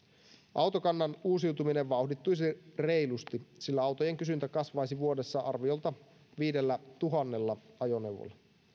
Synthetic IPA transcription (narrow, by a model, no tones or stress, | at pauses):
ʔɑwt̪okɑnːɑnuːsiwt̪umine̞ʋʋɑuhdit̪ːujsire̞jlust̪isilːæɑwt̪oje̞ŋkysynt̪ækɑsʋɑjsiʋuo̞de̞sːɑʔɑrʋio̞lt̪ɑ | ʋiːde̞lːæt̪uɦɑnːe̞lːɑɑjo̞ne̞wʋo̰lːɑ